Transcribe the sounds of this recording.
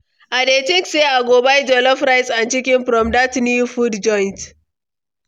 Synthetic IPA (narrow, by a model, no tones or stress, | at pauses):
ʔadeːtɪkseʔaɡoːbajd͡ʒɔlɔfɾajsant͡ʃɪkʲɪnɸɾɔmdatnifudd͡ʒɔjnt